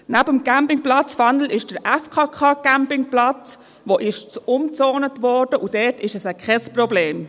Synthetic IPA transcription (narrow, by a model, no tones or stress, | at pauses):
næbəmkæmpɪŋplɑt͡sfɑnl̩ɪʃd̥əɾʔɛfkʰɑːkʰɑːkæmpɪŋplɑt͡s | ʋoʔɪʃt͡sʊmt͡sɔːnətʋɔɾd̥əʔud̥ɛːtɪʃəsəkχɛsprɔbleːm